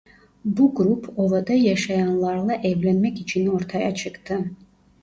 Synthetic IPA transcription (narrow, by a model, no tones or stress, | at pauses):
buɡɾupʰovɑd̪ɑjɑʃɑjɑnlˠɑɾlˠɑʔɛvlænmɛcit͡ʃʰinoɾt̪ʰɑjat͡ʃʰɯkt̪ɯ